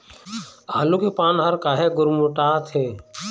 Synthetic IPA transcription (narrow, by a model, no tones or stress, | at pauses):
aːlukepaːnɦəɾkaːɦeɡʊɾmuʈaːt̪ʰeː